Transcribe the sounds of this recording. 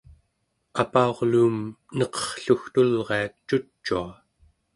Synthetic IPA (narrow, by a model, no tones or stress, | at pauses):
apaoʁluːmnʌqʌ̥χɬuxt̪ulʁe̞att͡ʃːut͡ʃːua